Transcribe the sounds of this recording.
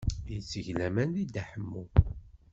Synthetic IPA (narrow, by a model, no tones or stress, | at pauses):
jət͡sːəʝlæmænðid̪æħəmːu